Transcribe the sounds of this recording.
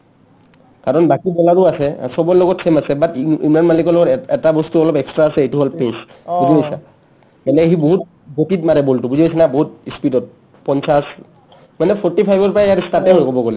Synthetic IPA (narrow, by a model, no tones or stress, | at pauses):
kaɹɔnbakibɔlaɹuasɛ̰sɔbɔlɔɡɔtsemasɛbatḭmlanmalikɔlɔɡɔtɛtabɔstuɔlɔpɛkstɹaːsɛejtuɦɔlpesbuzibɔjsa̰ | kɛnɛɦiboɦut̚ | botitmaɹɛboltubuzibojsanaboɦutispidɔt̚ | pɔnsas | manɛpʰɔɹtipʰajbɔɹpɹajaɹistatɛɦojkɔbɔɡolɛ